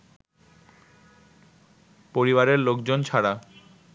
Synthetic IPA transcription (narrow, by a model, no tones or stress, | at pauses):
poɾiβaɾeɾlok̚d͡ʑont͡ɕʰaɽa